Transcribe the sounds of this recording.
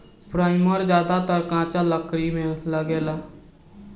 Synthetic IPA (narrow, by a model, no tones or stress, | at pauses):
pɾaːɪməɾd͡ʒjaːd̪at̪əɾkãːt͡ʃaləkɾimẽləɡeːlaː